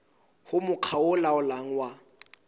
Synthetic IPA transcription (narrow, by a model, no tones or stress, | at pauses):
hʊmʊq͡χʰaʊlaʊlaŋ̩wa